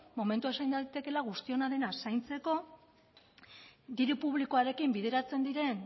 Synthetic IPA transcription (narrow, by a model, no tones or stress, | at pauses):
mo̞me̞nt̪uaesajnd̪ait̪e̞ke̞laɣ̞ust̪io̞naðe̞nasajnt͡se̞ko̞ | d̪iɾupuβ̞likoaɾe̞kimbið̞e̞ɾat͡se̞nd̪iɾe̞n